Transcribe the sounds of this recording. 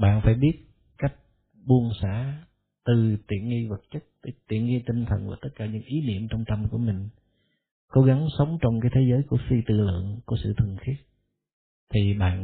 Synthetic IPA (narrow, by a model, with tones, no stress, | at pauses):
ɓa̰ː˧˨nfaː˧˩jɓi˦˥ət̚ | ka˦˥jk̚ | ɓu˧ənsa̰ː˧˥ | t̪ɨ˨˩t̪ḭ˧˨ənŋi˧və˨˩t̚t͡ɕə˦˥t̚t̪ə˧˦t̪ḭ˧˨ənŋi˧t̪ï˧ŋ̟t̪ʰə̰˨˩nvaː˨˩t̪ə˦˥t̚kaː˧˩ɲɨ̰˧˥ŋʔi˨˦nḭ˧˨əmt͡ɕɔ˧wŋ͡mt̪ə˧mku˧˩əmï˨˩ŋ̟ | ko˨˦ɣa˨˦ŋsə˨˦wŋ͡mt͡ɕɔ˧wŋ͡mkaː˨˦jt̪ʰe˨˦zəː˨˦jku˧˩əfi˧t̪ɨ̰˧˨lɨ̰˧˨əŋku˧˩əsɨ̰˧˨t̪ʰɨ˨˩əŋxi˦˥ət̚ | t̪ʰi˨˩ɓa̰ː˧˨n